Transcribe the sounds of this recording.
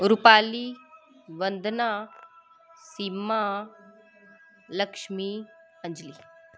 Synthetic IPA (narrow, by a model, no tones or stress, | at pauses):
ɾupaːli | ʋɐnd̪ʱna | sima | lɐkʂmi | ɐ̃ɲd͡ʒli